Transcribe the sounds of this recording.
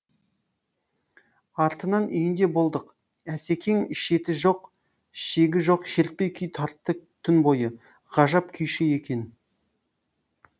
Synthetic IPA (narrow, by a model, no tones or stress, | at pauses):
ɑɾt̪ənɑnʔʏjɪnd̪e̞bo̞lˠd̪əq | æse̞kʲʰeŋɪʃe̞t̪ɪʒo̞q | ʃe̞ɡʲɪʒo̞qʃe̞ɾt̪̚pe̞jkʲʰʏjt̪ʰɑɾt̪ːət̪ʲʰʏnbo̞jə | ʁɑʒɑpkʲʰʏjʃeje̞kʲʰe̞n